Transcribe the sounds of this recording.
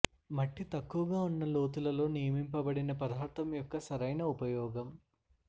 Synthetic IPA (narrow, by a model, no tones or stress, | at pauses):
mɐʈːit̪ɐkːuʋɐɡaːunːɐlo̞ːt̪̬ulɐlo̞ːnijɐmimpɐbɐɽinɐpɾɐd̪ʱaːɾt̪ɐmjɔkːɐsɐɾɐjnɐupɐjɔːɡɐm